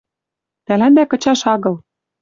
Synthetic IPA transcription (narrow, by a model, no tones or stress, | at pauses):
t̪ælænd̪ækɤ̆t͡ɕɑʃɑɣɤ̆l